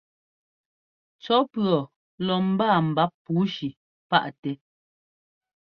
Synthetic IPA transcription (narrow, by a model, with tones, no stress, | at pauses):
t͡ʃɔ˨˦pɰɔ˨ | lɔ˨m̩˦baː˦˨m̩˨ba˦ppːuː˨˦ʃi˨ | pa̰˦ʔtɛ˨